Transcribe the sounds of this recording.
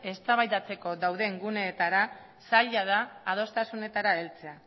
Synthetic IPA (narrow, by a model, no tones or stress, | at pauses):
e̞st̪aβajðat͡se̞ko̞ðawðe̞ŋɡune̞ːt̪aɾa | saʎað̞aːð̞o̞st̪asune̞t̪aɾae̞lt͡se̞a